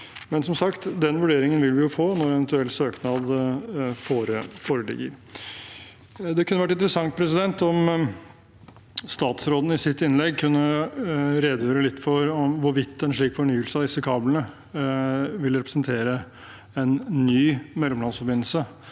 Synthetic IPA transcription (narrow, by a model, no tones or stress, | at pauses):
mɛnsɔmsɑkt̪d̪ɛnʋʉɖeːɾɪŋənʋɪlʋɪjʊfoːnɔɾɛʋənt̪ʉɛlt̪søːknɑd̪ | foːɾəfoːɾəlɪ̰ɡːə̰ɾ | d̪ɛkʰʉnːəʋæʈ̬ːɪnt̪əɾəsɑŋt̪̚pʰɾɛsɪd̪ɛnt̪ɔm | st̪ɑːt̪sɾoːd̪ənəɪsɪt̪ːɪnlɛɡkʰʉnːə | ɾeːd̪əjøːɾəlɪt̪ːfɔɾɔmʋʊɾʋɪt̪ʰːɛnʂɭiːkfɔɳyːəlsəɑʋd̪ɪsːəkʰɑːblənə | ʋɪlɾɛpɾə̥snt̪ʰeːɾə | ɛnːyːmɛlːɔmlɑnsfɔɾbɪnl̩sə